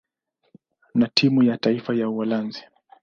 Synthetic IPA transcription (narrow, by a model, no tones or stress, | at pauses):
natʰimujataifajauwalanzi̥